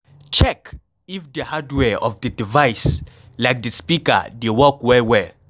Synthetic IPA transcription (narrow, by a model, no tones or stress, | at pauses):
t͡ʃɛk | ifdəhadwɛɔ̰vdədivajs | lajk̚ðəspikə̰˞dewɔkwɛwɛ